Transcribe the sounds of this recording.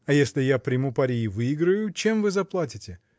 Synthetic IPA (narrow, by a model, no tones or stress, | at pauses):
ɐjesʲlʲɪjapɾʲɪmʊpaɾʲijːvɨiɡɾəjʊt͡ɕe̞mvɨzɐplˠat̬ʲɪtʲɪ